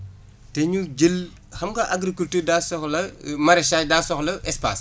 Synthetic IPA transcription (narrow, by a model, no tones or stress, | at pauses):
tɛɲud͡ʒəl | xɐmɡɐʔaɡɾikultəːdaːsɔxlɐmɐɾɛʃaːdaːsɔxlɐʔɛspa̰ːs